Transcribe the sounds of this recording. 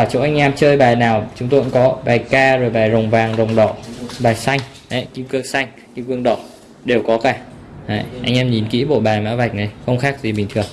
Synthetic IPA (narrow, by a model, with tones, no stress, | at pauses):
aː˧˩t͡ɕo̰˧˥ʔa˧jŋ̟ʔɛː˧mt͡ɕəː˧jɓaː˨˩jnaː˨˩wt͡ɕʊ˨˦ŋ͡mt̪o˧jkŋ͡mkɔ˨˦ɓaː˨˩jkaː˧zo˨˩jɓaː˨˩jzə˨˩wŋ͡mvaː˨˩ŋzə˨˩wŋ͡mɗɔ̰˧˨ɓaː˨˩jsa˧jŋ̟ | ʔa˨˦jki˧mkɨː˧ksa˧jŋ̟ | ki˧mkɨ˧əŋɗɔ̰˧˩˨ | ɗe˨˩wkɔ˨˦kaː˧˩ | ha̰ː˧˩jʔa˧jŋ̟ʔɛː˧mɲi˨˩nkḭ˧˥ɓo̰˧˨ɓaː˨˩jma̰ː˧˥wva˨˩jk̟̚na˨˩jxə˧wŋ͡mxaː˦˥k̚zi˨˩ɓï˨˩ŋ̟t̪ʰɨ˨˩əŋ